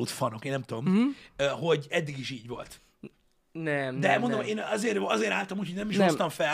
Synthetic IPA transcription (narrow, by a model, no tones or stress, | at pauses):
ut̪fɒno̞keːnɛmt̪ud̪omøɦo̞ɟɛd̪ːiɡiʃiːɟʋo̞̰lt̪ | nɛmd̪ɛlmondomhoeːnɒzeːɾɒzeːɾaːlt̪ɒmuchoɟnɛmiʃost̪ɒɱfɛ